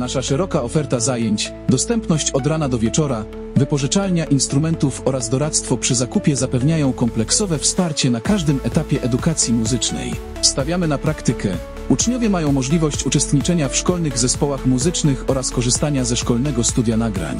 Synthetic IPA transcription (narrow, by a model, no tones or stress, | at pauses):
naʂaʂɛɾɔkaɔfɛɾt̪azajeɲt͡ɕ | d̪ɔst̪ɛmpnɔɕt͡ɕɔd̪ɾanad̪ɔvʲjɛt͡ʂɔɾa | vɘpɔʐɘt͡ʂalɲaʔinst̪ɾumɛnt̪ufɔɾazd̪ɔɾat̪st̪fɔpʂɘzakupʲjɛzapɛvɲajɔ̃w̃kɔmplɛksɔvɛfspaɾt͡ɕɛnakaʐd̪ɘmɛt̪apʲjɛʔɛd̪ukat̪sʲjimuzɘt͡ʂnɛ̰j | st̪avʲjamɘnapɾakt̪ɘkɛ | ut͡ʂɲɔvʲjɛmajɔ̃w̃mɔʐlʲivɔɕt͡ɕut͡ʂɛst̪ɲit͡ʂɛɲafʂkɔlnɘɣzɛspɔwaxmuzɘt͡ʂnɘxɔɾaskɔʐɘst̪aɲazɛʂkɔlnɛɡɔst̪ud̪ʲjanaɡɾa̰ɲ